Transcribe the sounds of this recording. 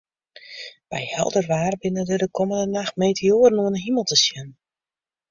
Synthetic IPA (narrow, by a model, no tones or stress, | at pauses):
b̥ɛjhɛ̰lˠdərʋaːrbɪnədədəkʰoməndənaxtmeːtʰeoːərnuənəɦiməlˠtəsjən